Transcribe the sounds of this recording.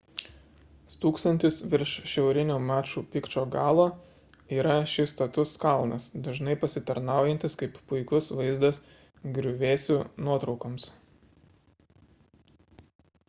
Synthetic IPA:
st̪uːkst̪ɐnʲt̪ʲɪsʋʲɪɾʃʃʲɛʊɾʲɪnʲuːmæːt͡ʃʲuːpʲɪkt͡ʃʲoːɡɑːlˠoː | iːɾɐʃʲɪst̪ɐt̪ʊskɐlˠnɐsd̪ɐʒnɐɪpɐsʲɪt̪ɐɾnɑˑʊjɛnʲt̪ʲɪskɐɪppʊɪkʊsʋɐɪzd̪ɐs | ɡɾʲʊʋʲeːsʲunuɔt̪ɾɒʊkɐms

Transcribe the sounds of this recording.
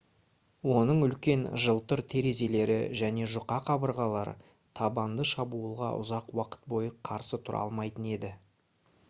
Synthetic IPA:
wo̞nəɴʏlkʲe̞nʒəlˠt̪ʊɾt̪ʰe̞ɾe̞ze̞le̞ɾɪ̰ʒæne̞ʒʊqɑqʰɑbəɾʁɑlˠɑɾə̰ | t̪ʰɑbɑnd̪əʃɑbuəlˠʁɑ̰ʔʊ̰zɑqwɑqə̥t̪̚bo̞jəqʰɑɾsət̪ʰʊɾɑ̰lˠmɑjt̪əne̞d̪ɪ

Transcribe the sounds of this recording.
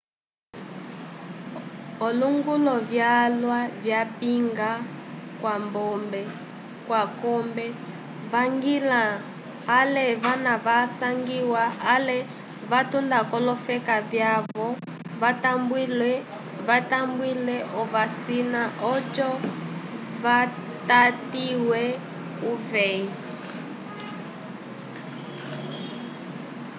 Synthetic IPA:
ɔluŋɡulɔvjalwavjapiŋɡakwambɔmbɛ | kwakɔmbɛ | vaŋɡilaː | lɛβanaβasaŋɡiwalɛ | βatundakɔlɔfɛkavjaβɔ | vatambilɛ | vatambwilɛʔɔvasinaʔɔd͡ʒɔ | va | tatiwɛ | uvɛi

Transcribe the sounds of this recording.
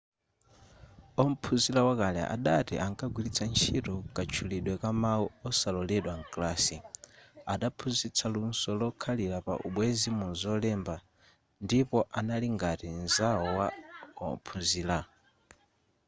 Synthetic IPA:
ɔm̩pʰuzilawakalɛ̰ʔa̰ɗatḭʔaŋkaɡwilit͡sʰant͡ʃʰitɔkat͡ʃʰuliɗwɛkamauɔsalɔlɛɗwaŋ̩klaːsi | aɗapʰuzit͡sʰalunsɔlɔkʰalilapa̰ʔṵɓwɛzimunzɔlɛmba | ndipɔʔanaliŋɡatinzaɔwaɔ̰m̩pʰuziːla

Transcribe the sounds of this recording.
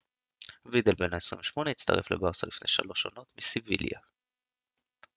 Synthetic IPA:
vid̪elbe̞naesʁḭɱveʃmo̞neit͡st̪ɐ̰ʁefle̞̰baʁsalifne̞̰ʃalo̞ʃono̞t̪misivḭlja̰

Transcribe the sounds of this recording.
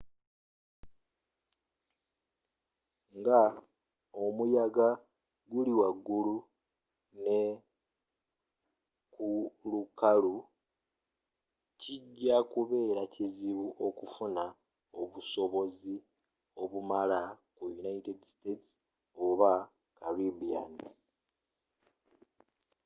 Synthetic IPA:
ŋɡa | o̞mujaɡa | ɡuliwaɡːulu | ne | kulukalu | cʰiɟːakuβe̞ːɾaciziβuʔo̞kufuna | o̞βuso̞βo̞zi | o̞βumalakujunaitedstets | o̞βa | kaɾibia̰ni

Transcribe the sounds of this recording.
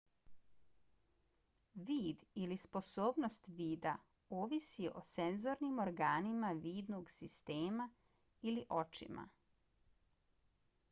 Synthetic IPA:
ʋiːd̪ilispo̞soːbno̞st̪ʋiːd̪a | oːʋisio̞̰senzo̞ɾnimoɾɡaːnimaʋiːd̪noɡsist̪eːma | iliʔo̞t͡ʃḭma̰

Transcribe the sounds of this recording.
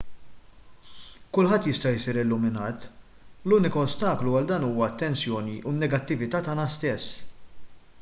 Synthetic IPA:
kʊlħɐt̪ːjɪst̪ɐjɪsiːɾɪlːʊmɪnɐːt̪ | luːnɪkɐɔst̪ɐːkluɐld̪ɐːnuːwɐɐt̪ːɛnsjɔːniʔunːɛɡɐt̪ːɪvɪt̪ɐːt̪ɐːnɐst̪ɛsː

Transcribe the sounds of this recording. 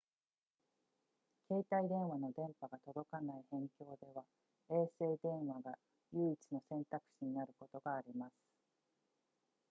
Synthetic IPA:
kʰe̞ːt̪aid̪ẽ̞ɰ̃βano̞d̪ẽ̞mpaɡat̪o̞d̪o̞kanaihẽ̞ŋkʲo̞ːd̪e̞βa | e̞ːse̞ːd̪ẽ̞ɰ̃βaɡa | jɯ̟ːit͡sɨno̞sẽ̞nt̪akɯ̟̥ɕiɲ̟inaɾɯ̟ko̞t̪o̞ɡaːɾʲimasɨ̥

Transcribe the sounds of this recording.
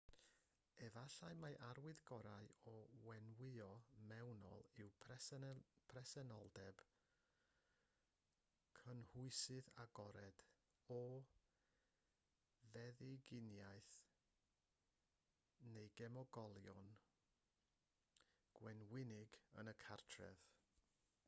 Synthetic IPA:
ɛvaɬaɨmaʔaɾwɪðɡɔɾaɨɔwɛnwɪɔmɛwnɔ̰lˠɪwʰ | pʰrɛsɛnɔlˠdɛb̥ | kʰənhʊɨsɨðaɡɔɾɛd̥ | ɔ | ðɛðɪɡɪnjajθ | nejɡɛmɔɡɔlˠjɔn | ɡ̥wɛnwɪnɪɡə̰nəkʰartʰrɛ̰ð

